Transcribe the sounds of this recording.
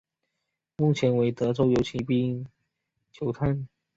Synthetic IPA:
mu˥˩t͡ɕʰjɛ˧˥nwe˧˥ɪt̪ɤ˧˥ʈ͡ʂo˥˩ʊjo˧˥ʊt͡ɕʰi˧˥pi˥˧ | t͡ɕʰjo˧˥ʊt̪ʰa˥˩n

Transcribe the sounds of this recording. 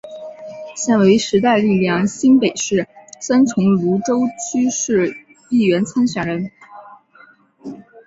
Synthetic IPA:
ɕjɛ˥˩nwe˧˥ɪʂɻ̩˧˥t̪a˥˧ɪli˥˩ljɑ˥˩ŋɕi˥npe˨˩ɪʂɻ̩˥˩sa˥nt͡sʰʊ˧˥ŋlu˧˥ʈ͡ʂo˥ʊt͡ɕʰy˥ʂɻ̩˥˩ | i˥˩ɥɛ˧˥nt͡sʰa˥nɕɥɛ˨˩nɻə˧˥n

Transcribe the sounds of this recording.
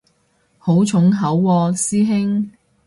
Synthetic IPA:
ho˨˥wt͡ʃʰʊ˨˥ŋɦɐ˨˥wːɔː˧siː˥ɦɪ˥ŋ

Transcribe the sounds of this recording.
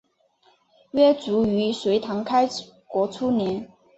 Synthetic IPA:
ɥɛ˥t͡su˧˥y˧˥swe˧˥ɪt̪ʰɑ˧˥ŋkʰa˥ɪ | kwɔ˧˥t͡sʰu˥njɛ˧˥n

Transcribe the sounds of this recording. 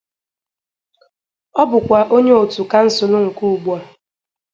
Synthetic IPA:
ɔ˦bʊ˨kʷa˨ʔo˦ɲe˦o˨tu˨ka˦n̩˦sʊ˨nʊ˦ŋ̩˨ku˦u˨ɡ͡bɔ˦

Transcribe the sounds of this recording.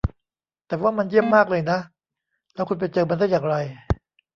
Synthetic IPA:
t̪ɛː˨˩waː˥˩ma˧nji˥˩əmːaː˥˩k̚lɤː˧jna˦˥ʔ | lɛː˦˥wkʰu˧npe˧nt͡ɕɤː˧ma˧nda˥˩jaː˨˩ŋɾa˧j

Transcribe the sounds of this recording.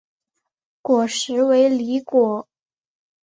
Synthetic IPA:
kwɔ˨˩ʂɻ̩˧˥we˧˥ɪli˧˥kwɔ˨˩˦

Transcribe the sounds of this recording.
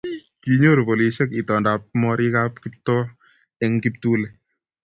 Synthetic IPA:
ki˦ɲo˦ɾbo˨li˨ʃɛ˦ki˨tɔ˨nda˨p̚mɔ˦ɾi˦ka˦p̚ki˦p̚tɔ˦ | ɛ˦ŋki˦p̚tu˦lɛ˨

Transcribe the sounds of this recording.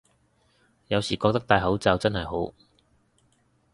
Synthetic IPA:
jɐ˨˧wsiː˨˩kɔː˧k̚t̪ɐ˥k̚t̪aː˧jɦɐ˨˥wt͡sɐ˨˧wt͡sɐ˥nhɐ˨jɦo˨˥w

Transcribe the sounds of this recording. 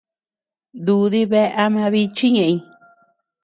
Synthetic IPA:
d̪u˧ði˧βe˦ʔa˧˦mã˧βi˧t͡ʃi˦ɲẽ˧ʔĩ˧

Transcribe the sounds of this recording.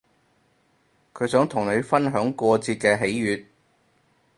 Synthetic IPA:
kʰɵ˨˧ɥsœː˨˥ŋt̪ʰʊ˨˩ŋne˨˧ɥfɐ˥nɦœː˨˥ŋkʷɔː˧t͡siː˧t̚kɛː˧ɦe˨˥jjyː˨˧t̚

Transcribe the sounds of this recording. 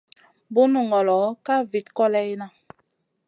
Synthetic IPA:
bu˦nu˨ŋɡɔ˨lɔ˨˦ka˦vi˨tkɔ˦lɛ˦jna˦

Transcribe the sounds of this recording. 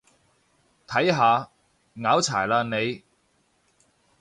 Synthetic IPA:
t̪ʰɐ˨˥jɦaː˨˧ | ŋaː˨˥wt͡sʰa̰ː˨˩jlaː˧nne˨˧j

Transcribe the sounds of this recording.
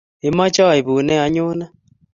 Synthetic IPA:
e˨ma˦t͡ʃɔ˦˨e˨βu˨nɛ˦a˨ɲoː˦na˦

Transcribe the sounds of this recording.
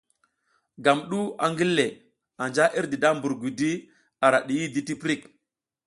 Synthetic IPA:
ɡa˨mɗu˦a̰˨ŋɡi˦lːe˨ | a˨nd͡ʒa˦ʔi˦ɾdi˨da˦mbu˨ɾɡʷi˨di˦ | a˨ɾa˨ɗi˨ji˦di˦ti˦pɾi˦˨k

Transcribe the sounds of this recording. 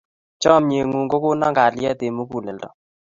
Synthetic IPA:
t͡ʃɔ˦mɲe˨ŋu˨ŋɡo˦ko˦na˦ŋɡa˨ljɛ˦te˨mu˦ku˨lɛ˨ldɔ̰˨

